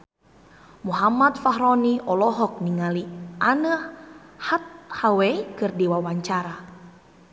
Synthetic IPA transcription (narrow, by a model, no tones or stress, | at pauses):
muɦamat̪̚faɦɾɔniʔɔlɔɦɔk̚niŋalianəhhat̪̚haweikɨrdiwawaɲt͡ʃaɾa